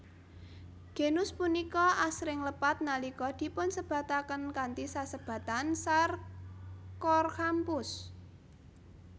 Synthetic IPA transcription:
ɡ̥e̤nʊspunikɔʔasɾɪŋləpat̪̚nalikɔd̪̥i̤pʊnsəb̥ä̤t̪akənkant̪isasəb̥ä̤t̪ansar | kɔrkampʊs

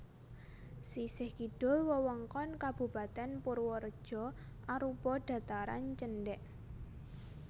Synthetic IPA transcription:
sisɪhkiɖ̥ʊ̤lwəwɔŋkɔnkab̥ṳpa̤t̪ɛnpʊrwɔɾəd̥ʒ̥ɔ̤ʔaɾupɔɖ̥ä̤t̪aɾa̰nt͡ʃənɖɛʔ

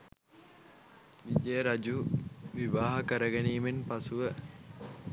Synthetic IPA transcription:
ʋid͡ʒejɾad͡ʒuʋiʋaːɦəkəɾəɡeniːmenpasuʋə

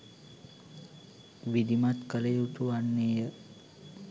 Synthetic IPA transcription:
ʋid̪imat̪kəlejut̪uʋanːeːjə

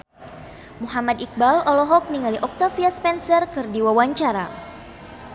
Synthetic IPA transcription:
muɦamad̪ik̚balɔlɔɦɔk̚niŋaliʔɔk̚t̪afiaspɛnsərkɨrdiwawaɲt͡ʃaɾa̰

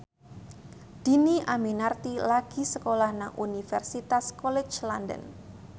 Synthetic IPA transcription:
d̪̥i̤niʔaminart̪ilaɡ̥i̤səkolahnaŋʔunifɛrsit̪askɔlɪt͡ʃlandə̰n

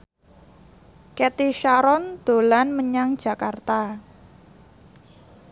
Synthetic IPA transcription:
kɛt̪iʃaɾɔnd̪̥o̤lanməɲaŋd̥ʒ̥a̤kart̪a

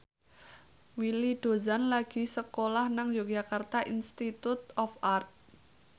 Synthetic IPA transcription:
wiliɖ̪̥o̤zanlaɡ̥i̤səkolahnaŋd͡ʒoɡakart̪aʔinst̪it̪ut̪ɔfart̪̚

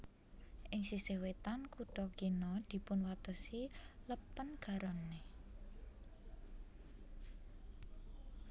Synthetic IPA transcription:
ʔɪŋsisewet̪ankuɖ̥ɔkinɔd̪̥i̤pʊnwat̪əsiləpənɡ̥ä̤ɾɔnːe

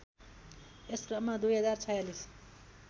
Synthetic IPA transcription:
esrʌmad̪ujɦʌd͡zart͡sʰʌjalis

